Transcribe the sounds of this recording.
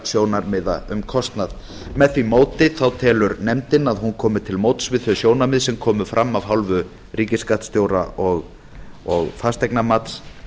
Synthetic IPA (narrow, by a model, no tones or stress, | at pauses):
sjoːwnaɾmɪða̰ʏmkʰɔst̪nað | mɛðθvimoːwt̪ɪθawt̪ʰɛːlʏɾnɛmt̪ɪnaðɦunkʰɔːmʏt̪ʰɪlmowt̪svɪðθœsjoːwnamɪðsɛmkʰɔːmʏfɾʔamːavɦawlvʏ | riːcɪskat̪st̪joːwɾa̰ʔɔɣ | ɔɣfast̪ɛjknamat̪s